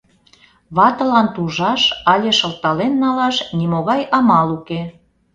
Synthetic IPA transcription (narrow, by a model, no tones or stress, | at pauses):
βɑt̪ə̆lɑnt̪uʒɑʃɑlʲeʃə̆lt̪ɑlenːɑlɑʃnimoɣɑjʔɑmɑluke